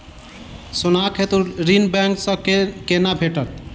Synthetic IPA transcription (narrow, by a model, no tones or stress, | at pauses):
sʊnaːkʰet̪uɾinbɛŋksə̃kenabʱeʈət̪̚